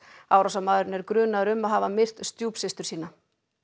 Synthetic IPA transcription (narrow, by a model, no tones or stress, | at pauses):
aːwɾawsamaːðʏɾɪnɛɾkɾʏːnaɾʏmːaðɦaːvamɪr̥t̪st̪juːpsɪst̪ʏɾ̥siːna